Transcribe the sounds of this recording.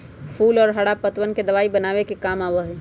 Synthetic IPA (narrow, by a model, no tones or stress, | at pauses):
pʰuːlɔːɾɦəɽapət̪ʋənked̪ɐʋaːibənaːwekekaːmaːʋəɦɛː